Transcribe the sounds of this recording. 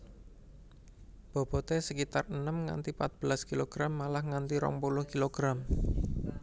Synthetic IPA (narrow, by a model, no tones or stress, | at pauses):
b̥ɔ̤b̥ɔ̤t̪esəkit̪arənəmŋa̰nt̪ipat̪̚b̥əlaskiloɡ̥ɾamːalahŋant̪iɾɔ̰ŋpulʊhkiloɡ̥ɾam